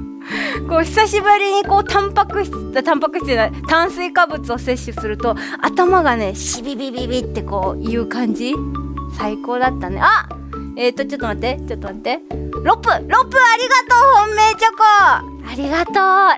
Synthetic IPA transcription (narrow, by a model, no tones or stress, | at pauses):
ko̞ːçi̥saɕibɯ̟ɾʲiɲ̟iko̞ːt̪ãmpakɯ̟çi̥d̪at̪ãmpakɯ̟ɕi̥t̪enat̪ãɰ̃sɨikabɯ̟t͡sɨo̞se̞ɕːɨsɨɾɯ̟t̪o̞ | a̰t̪amaɡane̞ɕibʲibʲibʲibʲit̪ːe̞ko̞ːiɯ̟ːkãɲ̟d͡ʑisaiko̞ːd̪at̪ːanea | e̞ːt̪ːo̞t͡ɕo̞t̪ːomat̪ːet͡ɕot̪ːomat̪ːe̞ɾo̞pːɯ̟ɾo̞pːɯ̟aɾʲiɡat̪o̞ːhõmːe̞ːt͡ɕoko | aɾʲiɡat̪oː